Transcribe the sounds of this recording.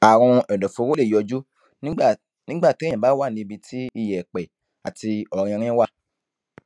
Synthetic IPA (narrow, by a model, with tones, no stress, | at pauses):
a˨ɾ̃ɔ̃˧ɛ˨dɔ˨fo˧ɾo˦le˦˨jɔ˧d͡ʒu˦ | nĩ˦ | nĩ˦ɡ͡ba˦˨tã˨ba˨˦wa˦˨nĩ˧bi˧tʰi˦i˧˨jɛ˨k͡pɛ˨ | a̰˨ti˧ɔ˨ɾ̃ĩ˧ɾ̃ĩ˦wa˦˨